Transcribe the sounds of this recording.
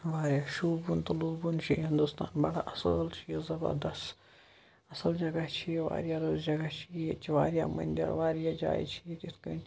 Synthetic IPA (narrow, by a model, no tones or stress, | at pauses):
ʋaːɾijaʃuːbunt̪ɐloːbunt͡ʃʰiɦɪ̃nd̪ust̪aːnbɐɽa̰ʔɐsə̰lt͡ʃʰijezɐbɐ̰ɾd̪ɐs | ɐsɐld͡ʒɐɡɐt͡ʃʰieʋa̰ːɾjaːɾoːzd͡ʒɐɡat͡ʃʰiet͡ʃʰiʋaːɾija̰mɐ̰nʲd̪ʲɐ̰ɾʋaːɾjad͡ʒa̰ːjḭt͡ʃʰiet̪it̪kɐn